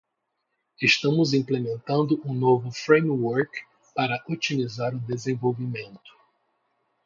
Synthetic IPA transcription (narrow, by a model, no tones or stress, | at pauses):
esʃt̪ɐ̃mʊzĩmplemẽnt̪ɐ̃nd̪ʊʔũnovʊfɾẽjmwɔɾk | paɾɐʔot͡ʃimizaɾʊd̪ezẽvowvimẽnt̪ʊ̥